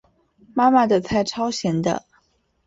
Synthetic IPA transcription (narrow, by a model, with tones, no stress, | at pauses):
ma˥ma˨˩d̪ə˨t͡sʰa˥˩ɪʈ͡ʂʰɑ˥ʊɕjɛ˧˥nd̪ə̰˧